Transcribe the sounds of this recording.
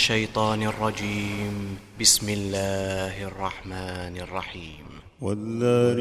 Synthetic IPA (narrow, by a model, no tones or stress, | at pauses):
ʃːajt̪ˤɑːnɑrˤːɑd͡ʒiːmbɪsmɪlːaːhʔɑrˤːɑħmaːnɑrˤːɑħiːm | waðaːn